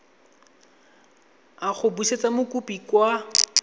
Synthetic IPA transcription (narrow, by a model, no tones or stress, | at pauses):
aχʊbuʃet͡samʊkupikwa